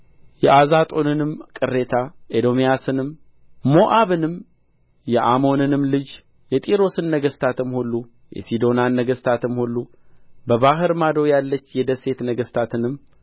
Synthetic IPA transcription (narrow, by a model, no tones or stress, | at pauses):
jɛʔazat̪ʼo̞nɨnɨmkʼɨrːe̞t̪ʰaʔed̪o̞mijasɨnɨm | mo̞ʔaβɨnɨm | jɛʔamo̞nɨnɨmlɨd͡ʒ | jɛt̪ʼiɾo̞sɨnːəɡəst̪ʰat̪ɨmhulːu | jɛ̰sid̪o̞nanːəɡəst̪ʰat̪ɨmhulːu | bəβaɦɨɾmad̪o̞jalːət͡ʃːjɛd̪əse̞t̪nəɡəst̪ʰat̪ɨnɨmː